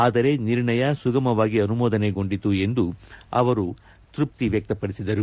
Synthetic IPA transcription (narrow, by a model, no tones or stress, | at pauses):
aːd̪ɐɾe̞niɾɳɐjɐsuɡɐmɐʋaːɡiɐnumɔːd̪ɐne̞ɡo̞ɳɖit̪ue̞nd̪uɐ̰ʋɐɾu | t̪ɾup̚t̪iʋjɐk̚t̪ɐpɐɽisid̪ɐɾu